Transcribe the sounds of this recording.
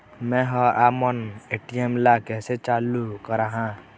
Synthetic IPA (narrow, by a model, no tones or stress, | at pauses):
mɛ̃ɦɔʔaːməneʈiemlakɛset͡ʃalukəɾaɦã